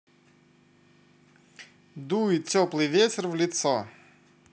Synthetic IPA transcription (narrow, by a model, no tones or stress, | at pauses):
d̪uitʲɔplˠɨjvʲetʲɪrvlʲɪt̪sɔ